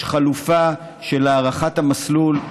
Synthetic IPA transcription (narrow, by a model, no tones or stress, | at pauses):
χalufa | ʃe̞laːʁaχatamaslul